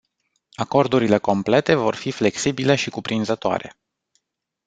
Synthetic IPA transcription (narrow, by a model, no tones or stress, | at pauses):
ako̞rd̪uɾile̞ko̞mple̞t̪e̞vo̞rfifle̞ksibile̞ʃikupɾinzət̪oa̰ɾe̞